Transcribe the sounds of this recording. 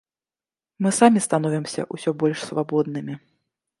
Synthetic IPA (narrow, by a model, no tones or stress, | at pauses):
mɨsamʲist̪anɔvʲimsʲɐ̰ʔusʲɔbɔlʲʂsvabɔd̪̚nɨmʲi